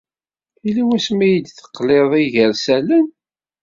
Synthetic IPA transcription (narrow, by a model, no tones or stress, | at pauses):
iliwæsmæjəd̪θə̥qːleðˤiʝəɾsælən